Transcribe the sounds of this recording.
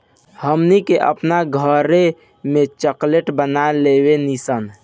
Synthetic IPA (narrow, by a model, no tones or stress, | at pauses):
həmnikeʔə̰pnaɡʱəɾe | mẽt͡ʃəkleʈbənalewenisən